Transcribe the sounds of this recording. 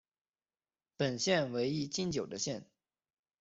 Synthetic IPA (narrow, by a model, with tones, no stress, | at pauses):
pə˨˩nɕjɛ˥˩nwe˧˥ɪi˥˧t͡ɕi˥nt͡ɕjo˨˩ʊd̪ə˦ɕjɛ˥˩n